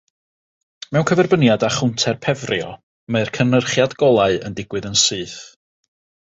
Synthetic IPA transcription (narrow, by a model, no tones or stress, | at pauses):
mɛwnkʰəvɛrbənjadaχʊntʰɛrpʰɛvrjɔ | meɨrkʰənərχjadɡ̥ɔlˠaɨə̰ndɪɡ̥wɨðənsɨːθ